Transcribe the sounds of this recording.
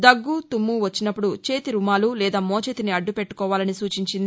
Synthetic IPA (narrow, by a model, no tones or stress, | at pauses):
d̪ɐɡːut̪umːuʋɐt͡ʃːinɐpːuɽut͡ʃeːt̪iɾumaːlulɛːd̪aːmoːt͡ʃeːt̪iniɐɖːupe̞ʈːu̥kɔːʋaːlɐnisuːt͡ʃiɲt͡ʃind̪i